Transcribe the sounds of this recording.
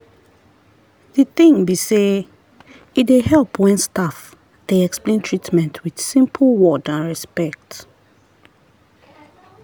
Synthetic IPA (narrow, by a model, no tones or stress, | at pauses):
ðiθĩŋbise | idehɛlpʰwɛ̃nstaf | d̥eɛksplẽntʰɹitmɛ̃ntʰwið̥sĩmpʰəlwɔdãnɹɛspɛk̚t